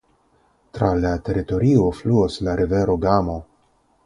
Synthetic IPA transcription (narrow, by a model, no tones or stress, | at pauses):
tɾalate̞ɾito̞ɾio̞fluoslaɾʔive̞ɾo̞ɡamo̞